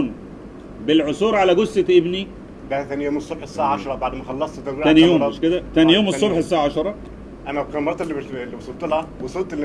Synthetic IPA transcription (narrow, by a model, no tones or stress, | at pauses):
n | bɪlʕosˤuːɾʕalæɡosʔeʔebni | bæhæt̪æːnijoːmesˤːobħesːaʕʕɑʃɑɾˤɑbaʕd̪mæxɑlːɑsˤt̪t̪ɑɾbiæːnijjoːmʃked̪æt̪æːnijoːmesˤːobħesːaʕaʕɑʃɑɾˤɑ | ʔænæbkæmɑɾˤɑt̪elːielːibesˤolt̪ˤːelhæwesˤult̪elː